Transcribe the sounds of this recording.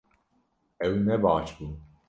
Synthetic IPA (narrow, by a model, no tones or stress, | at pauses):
ɛwnɛbɑːt͡ʃbun